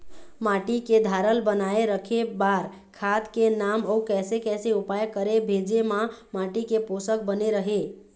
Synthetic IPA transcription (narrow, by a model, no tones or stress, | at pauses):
maʈiked̪ʱaɾəlbənaeɾəkʰebaɾ | kʰat̪kenaməukɛsekɛseupajkəɾebʱed͡ʒemamaʈikeposək̚bəneɾəɦe